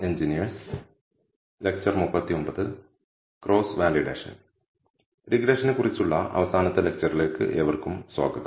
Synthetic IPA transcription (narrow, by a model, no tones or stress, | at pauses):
eɲd͡ʑinijɐrs | lek̚t͡ɕɐrmupːɐt̪ːio̞mbɐðɨ | kro̞ːsʋaːliɖḛːʂɐ̰n | ɾiɡɾeːʂɐnkurit͡ɕːuɭːɐɐ̰ʋɐsaːnɐt̪ːɐlek̚t͡ɕɐrile̞ːkːɨ̰ʔeʋɐrkumswa̰ːɡɐt̪ː